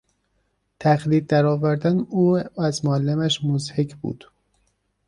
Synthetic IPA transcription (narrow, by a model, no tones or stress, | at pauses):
t̪ʰæxliːd̪̚ːæɾɒːvæɾd̪ænuːæzmoælːemæʃmozhekʰbṵːd̪̥